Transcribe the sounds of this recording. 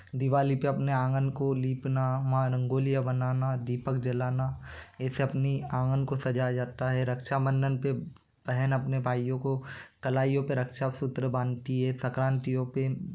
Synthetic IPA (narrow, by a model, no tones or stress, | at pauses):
d̪ɪʋaːlipeɐpneãːŋɡənkoliːpnamãɾə̃ŋɡoːlijabənaːnad̪iːpəkd͡ʒɐlaːnaɛːseɐpniãːŋɡənkosɐd͡ʒad͡ʒaːt̪aɦɛɾɐkʃamə̃ndənpe | b̥ɛɦɛnɐpnebʱaːijõkokɐlaːijõpeɾɐkʃasʊt̪ɾəbãːnt̪iɦɛsɐkɾãːnt̪ijõpe